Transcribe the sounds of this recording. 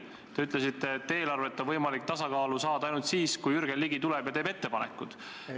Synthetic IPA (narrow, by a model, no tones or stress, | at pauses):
t̪e̞yt̪ˑlesit̪ːe̞t̪ːeeːlɑrvet̪ːˑonvɤjmɑlik̚t̪ɑsɑkɑːlusɑːd̪̥ɑɑjnult̪siːskujyrɡ̥eliɡit̪ulɛb̥jɑt̪eːbe̞t̪ːepɑnḛkːˑud̪̥